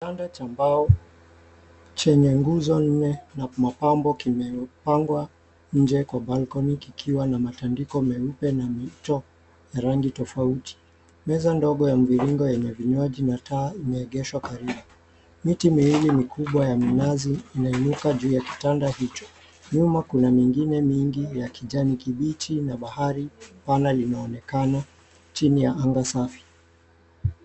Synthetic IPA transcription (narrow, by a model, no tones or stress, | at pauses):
tandat͡ʃambaɔ | t͡ʃɛɲɛŋɡuzɔn̩nɛnamapambɔkimɛpaŋɡwa | ɲ̩d͡ʒɛkwabalkɔnikikʰiwanamatandikɔmɛupɛnamitɔ | jaɾaŋɡitɔfauti̥ | mɛzandɔɠɔjam̩viɾiŋɡɔjɛɲɛviɲwaʄinataːimɛːɠɛʃwakaɾiɓu | mitimiwilimikʰuɓwajaminaziːnainukaʄuːjaki̥tandahit͡ʃɔ̥ | ɲumakunamiŋɡinɛmiŋɡijakiʄanikiɓitʰinaɓahaɾipanalinaɔnɛkana | t͡ʃinijaʔaŋɡasafi̥